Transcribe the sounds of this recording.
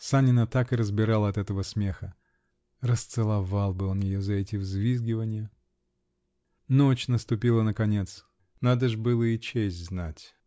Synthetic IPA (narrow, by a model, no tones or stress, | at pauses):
sanʲɪnət̪akɨɾəzbʲɪɾalˠəɐt̪ɛt̪əvəsmʲe̞xə | rəst̪sɨlˠɐvalˠbɨo̞njɪjozɐɛtʲɪvzvʲizɡʲɪvənʲɪjə | not͡ɕnəst̪ʊpʲilˠənəkɐnʲe̞t̪s | nad̪əʐbɨlˠəɪt͡ɕesʲtʲznatʲ